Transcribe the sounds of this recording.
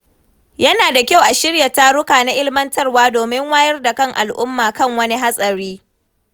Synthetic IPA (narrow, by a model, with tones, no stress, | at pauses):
jɐ˦naː˨da˨kʲa˦˨wʔa˨ʃɪ˦ɽja˨ta˦ɾʊ˦kaː˨na˦ʔɪ˦lmɐ˦ntɐ˦rwaː˦doː˨mɪ˦ŋwaː˦jɐ˦rda˨kɐ˦ŋʔa̰˨lʔʊ̰˦mːaː˨kɐ˦ŋwɐ˦ni˦ɦa˦sʼɐ˨ɽiː˦